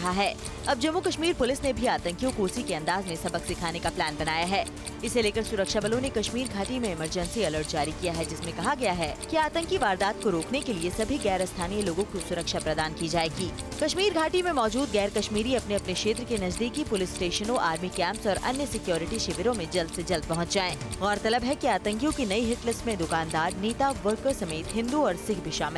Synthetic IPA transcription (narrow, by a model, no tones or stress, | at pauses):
ɐɦaɦɛː | ɐb̚d͡ʒɐmːukɐʃmiːɾpʊlɪsnebʱiaːt̪ə̃ŋkijõkuːsikeɐ̃nd̪aːzmẽsɐbəksɪkʰaːnekaplæːnbɐnaːjaɦɛː | ɪseleːkəɾsʊɾəkʃabɐlõnekɐʃmiːɾɡʱaːʈimẽɪməɾd͡ʒə̃nsiɐləɾʈ̚d͡ʒaːɾikijaɦɛd͡ʒɪsmẽkɐɦaɡɐjaɦɛkiaːt̪ə̃ŋkiʋaːɾd̪aːt̪̚koɾoːknekeliesɐbʱiɡɛːɾəst̪ʰaːnijəloːɡõkisʊɾəkʃapɾɐd̪aːnkid͡ʒaːeːɡiː | kɐʃmiːɾɡʱaːʈimẽmɔːd͡ʒuːd̪̚ɡɛːɾkɐʃmiːɾiɐpneɐpnekʃeːt̪ɾəkenɐd͡ʒd̪iːkipʊlɪsʈeːʃənõʔaːɾmikɛ̃ːmpsɔːɾɐ̰njəsɪkjoːɾɪʈiʃɪʋɪɾõmẽd͡ʒɐld̪sed͡ʒɐld̪̚pɐɦʊ̃t͡ʃd͡ʒaːẽːɣɔːɾt̪ɐləbɦɛkiaːt̪ə̃ŋkjõkinɐiɦɪʈlɪsmẽd̪ʊkaːnd̪aːɾniːt̪aʋəɾkəɾsɐmeːt̪ɦɪ̃nd̪uɔːɾsɪkbʱiʃaːmɪl